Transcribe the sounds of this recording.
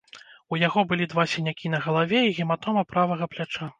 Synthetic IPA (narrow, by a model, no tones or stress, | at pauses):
ujaɣɔbɨlʲid̪vasʲinʲakʲinɐɣɐlˠavʲɛiɣʲɛmat̪ɔmɐpɾavɐɣɐplʲat͡ʂa